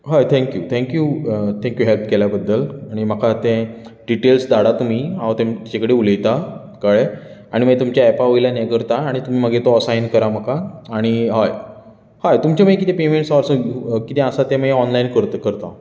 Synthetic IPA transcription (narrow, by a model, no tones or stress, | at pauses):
ɦajt̪ʰɛ̃ŋkjut̪ʰɛ̃ŋkjut̪ʰɛ̃ŋkjuɦelpkeljabəd̪ːəlaɽ̃im̤akʰat̪ẽɖiʈelsd̪aɽat̪um̤iːãt̪ẽmt̪t͡ɕakəɽeuləjt̪a | kəɭe | aɽ̃imət̪umt͡ɕjaepaʋojlanekəɾt̪aːɽ̃it̪um̤iːm̤əɡʱet̪osajnkəɾaməkaːɽ̃iɦaj | hajt̪umt͡ɕaməkit̪epemẽɳʈsɔɾsəkit̪ɛ̃əsat̪ẽməɔnlainkəɾt̪kəɾt̪a